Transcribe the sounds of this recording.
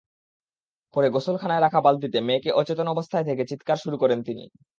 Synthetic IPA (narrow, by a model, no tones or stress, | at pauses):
pɔɾeɡosolkʰanaeɾakʰabald̪it̪emekeʔɔt͡ɕet̪onɔbost̪ʰaet̪ʰeket͡ɕit̪kaɾʃuɾukɔɾent̪inḭ